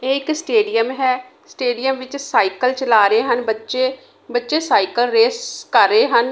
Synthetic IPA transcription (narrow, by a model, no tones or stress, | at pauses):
eːɪksʈeːɖijəmɦɛː | sʈeːɖijəmʋɪt͡ʃsaːikəlt͡ʃəlaːɾəeːɦənbətːʃeː | bətːʃeːsaːikəlɾeːskəɾːəeːɦən